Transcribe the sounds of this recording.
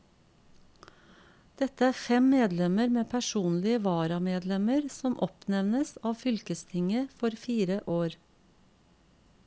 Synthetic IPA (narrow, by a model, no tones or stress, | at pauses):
d̪̥ɛt̪əæːfɛmmeːd̪lɛməɾmeːpʰæʃuːnlɪəʋɑːɾɑmeːd̪lɛməɾsɔmʔɔpnɛʋnəsɑːʋfʏlkəst̪ʰɪŋəfɔɾfiːɾəʔoːɾ